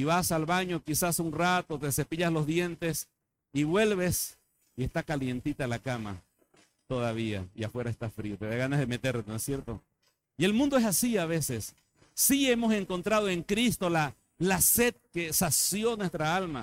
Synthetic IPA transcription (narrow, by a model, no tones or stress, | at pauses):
iβasalβaɲo̞kisasunrat̪ot̪ese̞piʎaslo̞zðje̞nt̪es | iβwe̞lβe̞s | ie̞st̪akalje̞nt̪it̪alakama̰ | t̪o̞ðaβ̞ia̰iafwe̞ɾaest̪afɾiot̪eðaɣanazðeme̞t̪e̞ɾnoesjeɾt̪o | ie̞lmũnd̪oesasiaβesesː | ie̞mo̞se̞ŋko̞nt̪ɾað̞oe̞ŋkɾist̪o̞la | lase̞d̪̚kesasjo̞nwe̞st̪ɾaalma